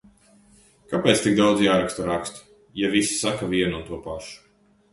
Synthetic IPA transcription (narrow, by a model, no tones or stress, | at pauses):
kapɛt̪st̪iɡ̚d̪awd̪zjaːɾakst̪aɾakst̪u̥ | javisi̥sakavʲiɛnunt̪uɔpaʃu̥